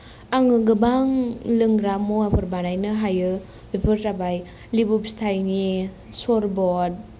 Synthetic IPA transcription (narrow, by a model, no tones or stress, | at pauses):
aŋɯɡɯbaŋlɯŋɾamoapʰɯɾbanajnɯɦajɯ | bipʰɯɾtabaj | libup̚stʰajni | soɾbɔd̚